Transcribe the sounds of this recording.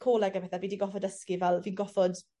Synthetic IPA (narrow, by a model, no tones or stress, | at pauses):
kʰoːlɛɡabɛθaviːdiɡɔfɔdəskivɛlˠviːnɡɔfɔd